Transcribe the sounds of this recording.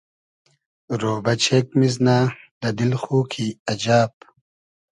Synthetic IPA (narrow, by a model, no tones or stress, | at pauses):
ɾoːbɐt͡ɕʰeːk̚miznaːd̪̥ɐd̪ilxuːkʰiɐd͡ʑaːp̚